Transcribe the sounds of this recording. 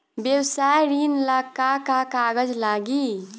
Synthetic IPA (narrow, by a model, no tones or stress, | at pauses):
bjewsajɾinləkːakakaɡəd͡ʒlaɡi